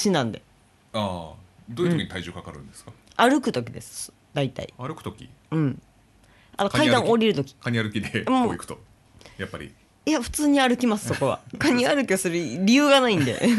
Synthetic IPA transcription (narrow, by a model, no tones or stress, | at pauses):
ɕinãnd̪e̞̰ | aːd̪ojɯ̟okiɲit̪aiʑoːkakaɾɯ̟̃nd̪esɨ̥kḁaɾɯ̟kɯ̟t̪o̞kʲid̪e̞sɨ̥ | d̪̥ait̪a̰ḭaɾɯkɯ̟̥t̪okʲḭɯ̟̃ɴ | at̪okkaid̪ãɰ̃o̞ɾʲiɾɯ̟t̪o̞kʲi̥kaɲ̟iaɾɯ̟kʲid̪emoikɯ̥t̪o | jappːaɾʲḭ | iaɸɯ̟̥t͡sɨːɲ̟iaɾɯ̟kʲimasɨ̥so̞ko̞βa̰kaɲ̟iaɾɯ̟kʲiasɨɾɯɾʲijɯːɡanaĩnd̪e̞̰